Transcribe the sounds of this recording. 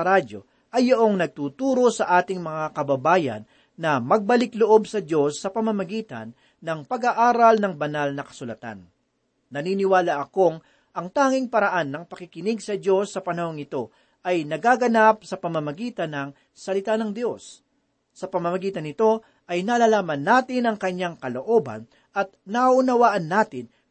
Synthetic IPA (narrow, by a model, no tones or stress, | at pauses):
ɐɾado̞̰ | ʔɐjːɐʔo̞ŋnɐɡ̚t̪uːt̪uːɾo̞sɐʔaːt̪ɪŋmɐŋakɐbɐbaːjɐ̰nː | ɐmɐɡ̚bɐlɪkloʔo̞bsɐd̪o̞sːɐpɐmɐmɐɡiːt̪ɐ̰nː | ɐŋpɐɡaʔaːɾɐlnɐŋbɐnalnɐkɐ̥sʊlɐt̪a̰nː | ɐniːnɪwaːlɐʔɐko̞ŋ | ʔɐŋt̪aːŋɪŋpɐɾɐʔanːɐŋpɐkɪkɪnɪɡsɐd̪o̞sːɐpɐnɐho̞ŋɪt̪o̞ | ʔɐjnɐɡaːɡɐnap̚sɐpɐmɐmɐɡiːt̪ɐnɐŋ | sɐlɪt̪aːnɐŋd̪jo̞sː | ɐpɐmɐmɐɡiːt̪ɐnɪt̪o̞ | ʔɐjnalalaːmɐnːaːt̪ɪnɐŋkɐɲaŋkɐlo̞ʔo̞bɐ̰n | ɐt̪̚nɐʔʊnɐwaːʔɐnːaːt̪ɪn